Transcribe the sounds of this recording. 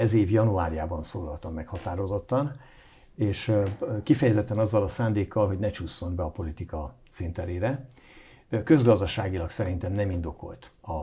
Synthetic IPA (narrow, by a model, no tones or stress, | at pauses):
ɛzeːvjɒnuaːɾijaːbɒnsoːlɒlt̪ɒmːɛkhɒt̪aːɾo̞zo̞t̪ːɒn | eːʃkifɛjɛzɛt̪ːɛnɒzːɒlɒsaːnd̪eːkːɒlɦo̞ɟnɛt͡ʃuːsːo̞nbɛɒpo̞lit̪ikɒ | sint̪ɛɾeːɾɛ | kø̞zɡɒzd̪ɒʃaːɡilɒksɛɾint̪ɛmnɛmind̪o̞ko̞̰lt̪ɒ